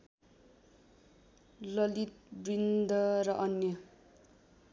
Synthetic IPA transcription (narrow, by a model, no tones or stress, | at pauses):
lʌlit̪̚brind̪ʱʌrʌʔʌnjʌ